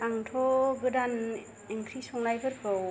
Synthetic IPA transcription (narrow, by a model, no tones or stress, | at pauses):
aŋtʰɔɡɯdan | iŋkʰɾisɔŋlajbɯɾkɯw